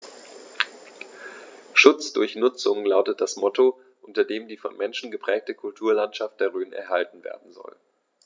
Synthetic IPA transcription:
ʃʊt͡sd̥ʊɐçnʊt͡sʊŋlaʊtət̚d̥asmɔto | ʔʊntɐdeːmdiːfɔ̰nmɛnʃn̩ɡəpʁ̥ɛːk̚təkʰʊltʰuːɐlantʃaft̚d̥eːɐʁ̞øːnɛ̰ɐɦaltn̩vḛːɐdn̩zɔ̰l

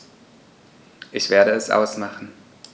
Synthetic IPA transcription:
ʔɪçv̥eːɐɾəɛsʔa̰ʊsmaχn̩

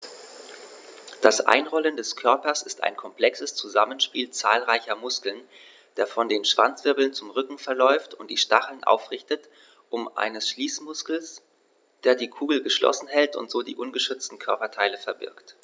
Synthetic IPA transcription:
d̥asʔa̰ɪnʁɔləndɛskʰœɐpɐsɪsta̰ɪnkʰɔmpl̥ɛksəst͡suzamənʃpiːlt͡sa̰ːlʁaɪçɐmʊskl̩n | d̥eːɐfɔndeːnʃv̥a̰nt͡sv̥ɪɐbl̩nt͡sʊmʁʏkŋ̩fɛɐlɔʏftʊnt̚d̥iːʃtaχl̩nʔa̰ʊfʁɪçtət | ʔʊmʔa̰ɪnəsʃliːsmʊskl̩s | d̥eːɐdiːkʰuːɡl̩ɡəʃlʔɔ̰sn̩ɦɛltʊ̰ntz̥oːdiːʔʊnɡəʃʏt͡stn̩kʰœɐpɐtʰaɪləfɛɐbɪ̰ɐkt

